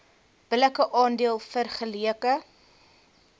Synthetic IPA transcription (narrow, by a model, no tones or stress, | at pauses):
b̥ələkəʔɑːndiəlˠfərχəliəkə